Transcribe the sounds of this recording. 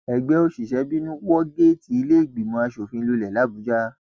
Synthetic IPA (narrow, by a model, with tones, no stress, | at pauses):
ɛ˨ɡ͡bɛ˦o˦ʃi˨ʃɛ˨˧˦bi˦nũ˦wɔ˦ɡe˦˨ti˨˦i˧le˦i˦˨ɡ͡bi˨mɔ̃˧a˧ʃo˨fĩ˧lu˧lɛ˨la˨˦bu˨˦d͡ʒa˦